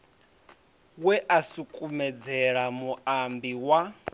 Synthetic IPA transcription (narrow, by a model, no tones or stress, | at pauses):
wɛʔasukʼumɛd͡zɛɺamuambiwa